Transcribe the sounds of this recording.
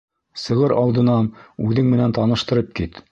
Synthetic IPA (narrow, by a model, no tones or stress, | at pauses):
sɤ̆ʁɤɾɑlˠd̪ɤ̆nɑnʉðɘŋmɘ̆nænt̪ɑnɤ̆ʃt̪ɤ̆ɾɤp̚kit̪